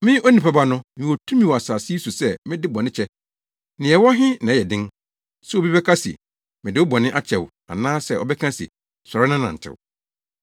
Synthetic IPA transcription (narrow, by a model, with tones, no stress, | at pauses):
mɪ̃˦o˦nĩ˨pa˦ba˦nʊ̃˦mɪ̃˨wo˨tʰũ˦mĩ˨wa˨saː˨si˦i˦su˨sɛ˦˨mɪ̃˦dɪ˦bɔ̃˨nɪ̃˦t͡ɕʰɛ˦ | nɪ̃˨ɛ˨wɔ˦ɦɪ̃˦nã˨ɛ˨dɪ̃˦ŋ | sɛ˦ɔ˦bi˦bɛ˦kʰa˦sḭ˨ | mɪ̃˨dɪ˦ʊ˦bɔ̃˨nɪ̃˦ʔa˦t͡ɕʰɛ˨w | a̰˨nãː˦sɛ˦ʔɔ̰˨bɛ˦kʰã˦sḭ˨ | sɔ˨ɾɪ˦nã˦nã̰˨n̩˨tʰɪ̰˨w̰